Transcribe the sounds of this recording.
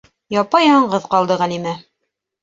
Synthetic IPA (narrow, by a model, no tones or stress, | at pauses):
jɑpɑjɑɴɢɤðqɑlˠd̪ɤʁælimæ